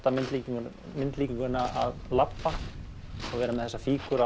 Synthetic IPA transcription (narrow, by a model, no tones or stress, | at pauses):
t̪amɪnt̪liːc | mɪnt̪liːcɪŋkʏnːaa̰ðlapːa | ɔɣvɛːɾamɛðθɛsːafiːkʏɾa